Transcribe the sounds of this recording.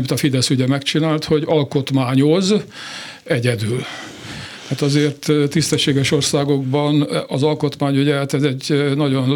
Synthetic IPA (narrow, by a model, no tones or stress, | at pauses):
it̪ɒfid̪ɛsyɟɛmɛkt͡ʃinaːlt̪ho̞ɟɒlko̞t̪maːɲo̞z | ɛɟɛd̪yl | aːt̪ɒzeːrt̪ːist̪ɛʃːeːɡɛʃo̞rsaːɡo̞ɡbɒnɒzɒlko̞t̪maːɲyɟɛhat̪ɛzɛɟnɒɟo̞n